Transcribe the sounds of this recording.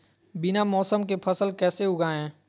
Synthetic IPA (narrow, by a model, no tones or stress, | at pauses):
bɪnamɔːsəmk̬epʰəsəlkɛːseʊɡaːɦɛ̃ː